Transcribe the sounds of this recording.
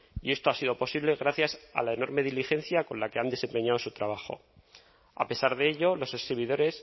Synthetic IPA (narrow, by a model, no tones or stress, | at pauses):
ie̞st̪o̞asið̞o̞po̞siβle̞ɣɾaθjasa̰lae̞no̞ɾme̞ðilixe̞n̟θjakõ̞lake̞and̪e̞sempe̞ɲaðo̞sut̪ɾaβ̞axo̞̰ | a̰pe̞saɾðeeʎo̞lo̞sesiβiðo̞ɾe̞s